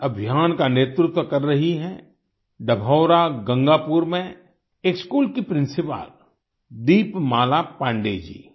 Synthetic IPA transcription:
ɐbʱjaːnkaneːt̪ɾʊt̪wəkɐɾːɐɦiɦɛ | ɖəbʱɔːʊɾaɡɐ̃ŋɡaːpuːɾmẽ | eːkskuːlkipɾɪ̃nsɪpa̰ːl | d̪iːpmaːlapãːɳɖeːd͡ʒḭː

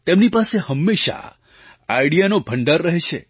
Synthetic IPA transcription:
t̪emnipasehəmːeʃa̰ | ajɽijanobʱəɳɖəɾːəɦet͡ʃʰḛ

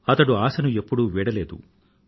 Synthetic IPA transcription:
ɐt̪ɐɽuaːsɐnue̞pːuɽuʋiːɽɐleːd̪ṵ

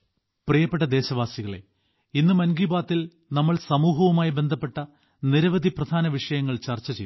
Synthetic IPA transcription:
prijɐpːeʈ̬ːɐd̪e̞ːɕɐʋaːsiɣɐɭḛ | inːɨmɐnɡiːbaːt̪ːil | nɐmːɐɭsɐmuːɦɐʋumaːjibe̞nd̪ʱɐpːe̞ʈːɐ | niɾɐʋɐd̪ʱiprɐd̪ʱaːnɐʋiʂɐjɐŋːɐɭt͡ɕɐrt͡ɕːɐt͡ɕej

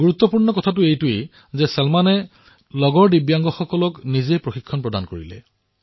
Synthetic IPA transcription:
ɡuɹut̪ːɔpuɹnɔkɔtʰatʊejtʊe | zɛsɛlmanɛ | lɔɡɔɹdibjaŋɡɔxɔkɔlɔknizepɹoxikʰːɔnpɹɔdankoɹḭlɛ̰

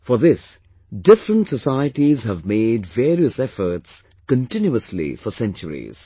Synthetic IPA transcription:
fɔɾðɪs | ɖɪfɾə̃nʈsəsaɪəʈizhævmeːɖveːɾiəsɛfəɾts | kə̃ntɪ̃njuəslḭfɔsɛ̃nt͡ʃəɾḭz̥

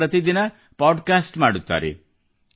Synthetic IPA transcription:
ɾət̪id̪inɐ | pɔɖkasʈmaɽut̪a̰ɾḛ

